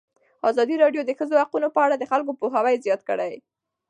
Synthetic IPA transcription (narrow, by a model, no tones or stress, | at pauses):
ɑzɑd̪iɾɑɖjod̪əxəzohaqunopəaɽad̪əxalk̬opoɦawajzjɑt̪kəɽaj